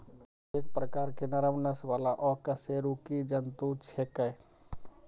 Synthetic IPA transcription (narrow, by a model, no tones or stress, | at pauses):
eːk̚pɾəkaːɾkenɐɾəmnəsʋaːlaʔɔkɐseːɾukid͡ʒənt̪ut͡ʃʰekəe